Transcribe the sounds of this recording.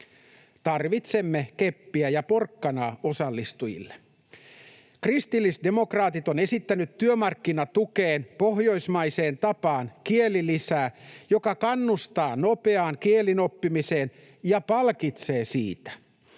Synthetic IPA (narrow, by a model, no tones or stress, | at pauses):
t̪ɑrʋit̪semːekepːiæjɑporkːɑnɑːosɑlːist̪ujḭlːe | krist̪ilːisde̞mo̞krɑːt̪it̪one̞sit̪ːænyt̪tyømɑrkːinɑt̪ukeːnpoɦjo̞ismɑiseːnt̪ɑpɑːnkielˑilisæːjokɑkɑnːust̪ɑːnopeɑːŋkielinopːimise̞ːn | jɑpɑlkit̪se̞ːsiːt̪æ̥